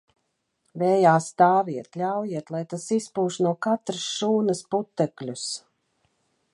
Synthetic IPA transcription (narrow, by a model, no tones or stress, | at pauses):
vɛːjaːst̪aːvʲiɛt̪lʲawjiɛt̪lˠajt̪asispuːʃnuɔkat̪ɾɨsʃuːnɐsput̪ːɛklʲus